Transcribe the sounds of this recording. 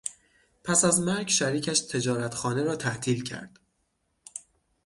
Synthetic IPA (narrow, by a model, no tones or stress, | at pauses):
pʰæsæzmæɾɡʃæɾiːcʰæʃt̪ʰe̞d͡ʒɒːɾæt̪xɒːneɾɒːt̪ʰæht̪ʰiːlcʰæ̰ɾd̪̥